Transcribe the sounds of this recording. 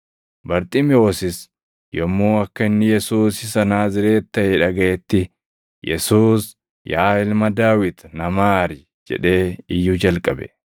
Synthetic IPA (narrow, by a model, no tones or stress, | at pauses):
bɐɾt̪ʼɪmɪo̞ːsɪs | jɔmːuːɐkːɐɪnːɪjɛsuːsɪsɐnaːzɪɾe̞ːt̪ːɐeːᶑɐɡɐʔɛt̪ːɪ | jɛsuːs | jaːɪlmɐd̪aːwɪt̪nɐmaːɾɪ | d͡ʒɛ̰ᶑe̞ːɪjːʊd͡ʒɐlkʼɐbɛ̰